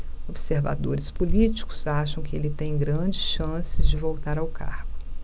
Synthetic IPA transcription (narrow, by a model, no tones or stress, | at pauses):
obseɾva̰d̪oɾɪspulit͡ʃi̥kʊ̥zaʃɐ̃w̃kɪelɪt̪ẽj̃ɡɾɐ̃d͡ʒɪsʃɐ̃sɪzd͡ʒɪvowt̪aɾawka̰hɡʊ